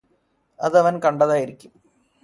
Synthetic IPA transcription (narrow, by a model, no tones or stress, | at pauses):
ɐðɐʋɐnkɐɳɖɐðaːjiɾikʲːum